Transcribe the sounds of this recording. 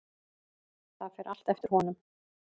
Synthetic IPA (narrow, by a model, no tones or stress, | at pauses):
θaðfɛɾʔal̥t̪ɛft̪ɪɾhɔnʏm